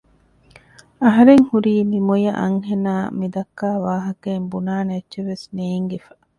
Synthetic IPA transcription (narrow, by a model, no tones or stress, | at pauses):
ɐɦɐɾeŋhuɾiːmimojɐʔɐ̰ŋhenaːmid̪ɐkːaːʋaːɦɐkeːmbunaːneɐtːʃeʋesneːŋɡefɐ